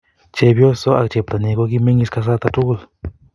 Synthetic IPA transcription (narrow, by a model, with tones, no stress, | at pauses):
t͡ʃe˧bjo˦so˦a̰˧kt͡ʃe˧˨p̚t̪a˨ni˧ko˧ki˦˧me˦ŋi˧ska˧s̬a˦t̪a˧tu˦ɡl